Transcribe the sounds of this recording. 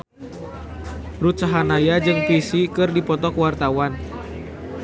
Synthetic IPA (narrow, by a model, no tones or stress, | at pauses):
ɾusaɦanajad͡ʒɨŋpisikɨrdipɔt̪ɔkwart̪awan